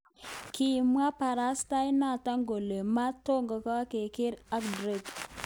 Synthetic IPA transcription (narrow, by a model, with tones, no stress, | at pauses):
ki˨mʷ˦a˦pa˨ɾa˦sta˦jna˦˨ta˦ŋɡo˨le˨ma˦to˦ŋɡa˨ka˦ke˨ki˦ɾa˦kdɾe˨ɡ